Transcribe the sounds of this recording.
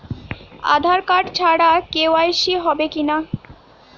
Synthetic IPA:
a̰d̪ʱaɾkaɖt͡ɕʰaɽakewajʃiɦɔbekina

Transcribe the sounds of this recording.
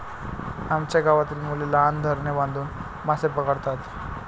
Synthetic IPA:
amt͡ɕaɡaʋat̪iːlmuleland̪ʱəɾnebãnd̪uːn | masepəkəɽt̪at̪

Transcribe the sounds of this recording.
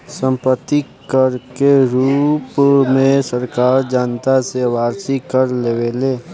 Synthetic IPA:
sə̃mpət̪ːi | kəɾkeɾuːpmẽsəɾkaːɾd͡ʒaːnt̪aseʋaːɾsikəɾleʋeːleː

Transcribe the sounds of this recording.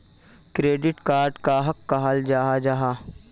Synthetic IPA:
kɾeːɖɪʈkaːɾɖkaɦɐkːaɦald͡ʒaːɦad͡ʒaɦaː

